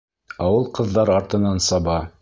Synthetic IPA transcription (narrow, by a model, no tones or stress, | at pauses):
ɑwɤlˠqɤ̆ðːɑɾɑɾt̪ɤ̆nɑnsɑbɑ